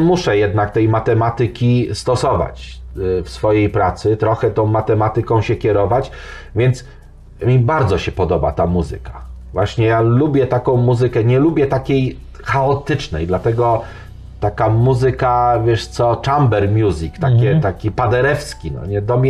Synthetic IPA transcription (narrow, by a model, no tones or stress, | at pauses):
muʂɛjɛd̪̚nak̚t̪ɛjmat̪ɛmat̪ɘkʲist̪ɔsɔva̰t͡ɕfsfɔjejpɾat̪sɘt̪ɾɔxɛt̪ɔ̃w̃mat̪ɛmat̪ɘkɔ̃w̃ɕɛkʲɛɾɔvat͡ɕ | vʲjɛnt̪s | mʲibaɾd̪zɔɕɛpɔd̪ɔba̰t̪amuzɘ̰ka | vwaɕɲɛjalubʲjɛt̪akɔ̃w̃muzɘkɛɲɛlubʲjɛt̪akʲej | xaɔt̪ɘt͡ʂnɛ̰jd̪lat̪ɛɡɔ | t̪akamuzɘkavʲjɛʂt̪sɔt͡ʂambɛɾmʲjuzʲikt̪akʲɛt̪akʲipad̪ɛɾɛfskʲinɔ̰ɲɛd̪ɔmʲɛ